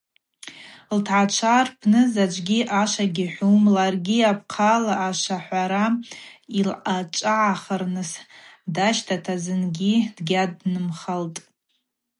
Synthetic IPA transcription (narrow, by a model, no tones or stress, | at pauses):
ltʰʕat͡ʃʷʰarpʰnɨzad͡ʒʷʼɡʲiʔaʃaɡʲiħʷumlarɡʲiapʰqʰalaʔːʃaħʷaɾa | ilat͡ʃʷʼaʕaχərnɨsdaʃtʰatʰazɨnɡʲidɡʲadnɨmχaltʼ